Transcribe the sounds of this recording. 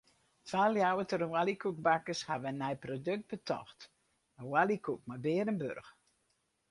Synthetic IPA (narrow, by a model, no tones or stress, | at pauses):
tʋaːljawətərwalikuk̚bakəshaʋənːɛjprodøk̚t̚b̥ətʰɔ̰xt | əwalikuk̚mabɪːədənbø̰rx